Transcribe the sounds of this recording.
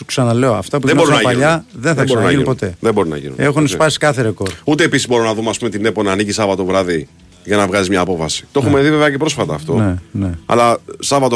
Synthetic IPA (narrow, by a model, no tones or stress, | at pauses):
uksɐnɐle̞oɐft̪ɐpueinbɾnɐpɐʎɐðenθɐksnɐinipot̪e̞ðebo̞ɾunɐ̰ʝḭnṵe̞xunespɐsi̥kɐθeɾeko̞ɾut̪eːpisizbo̞ɾunɐðumeɐspume̞t̪ine̞po̞nɐːnicisɐvɐt̪ovɾɐði | ʝɐnɐvɣɐzizmɲɐːpo̞fɐsi̥t̪oo̞umeðiveveɐcepɾo̞sfɐt̪ɐːft̪o̞neneɐ̰lɐsɐvɐt̪o